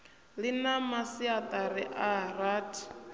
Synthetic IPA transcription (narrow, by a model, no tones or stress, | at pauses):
linamasiat̪ʼaɾiʔaraːtʰi̥